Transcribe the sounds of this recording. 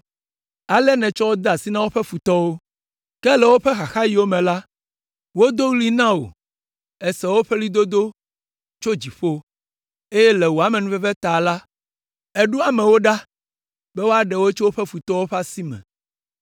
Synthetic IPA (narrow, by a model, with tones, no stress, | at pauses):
a˨lɛ˦nɛ̃˨t͡ʃɔ˦wo˦d̪a˨si˦nã˦wo˦ɸɛ˦fu˨t̪ɔ˦wo˦ | kɛ˦lɛ˨wo˦ɸɛ˦xa˨xa˦ji˦wo˦mɛ̃˨la˦ | wo˦d̪o˦wli˦nã˦o̰˨ | ɛ˨sɛ˨wo˦ɸɛ˦li˦d̪o˦d̪o˦ | t͡ʃo˦d͡ʑi˨ɸo˦ | e˦jɛ˦lɛ˨wo˨a˨mɛ̃˨nũ˦fɛ˦vɛ˦t̪a˨la˦ | ɛ˦ɖu˦a˨mɛ̃˨wo˦ɖa˦ | bɛ˦wo˦a˦ɖɛ˨wo˦t͡ʃo˦wo˦ɸɛ˦fu˨t̪ɔ˦wo˦ɸa˦si˦mɛ̰̃˨